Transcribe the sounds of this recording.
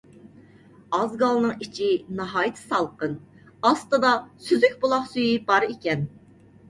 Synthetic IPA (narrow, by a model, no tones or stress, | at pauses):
ɑzɡɑlˠnɨŋit͡ʃʰinɑɦɑːjit̪ʰɨ̥sɑlˠqən | ɑst̪ɨd̪ɑsyzykʲbolˠɑχsyjibɑɾikʲɛn